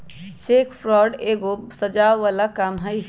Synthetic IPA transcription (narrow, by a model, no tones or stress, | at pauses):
t͡ʃeːkpʰɾɔɾɖeɡosəd͡ʒaʋalakamɦəj